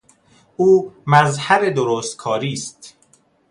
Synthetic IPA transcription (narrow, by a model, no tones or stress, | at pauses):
ʔuːmæzhæbed̪oɾoːst̪̚kʰɒːɾiːst̪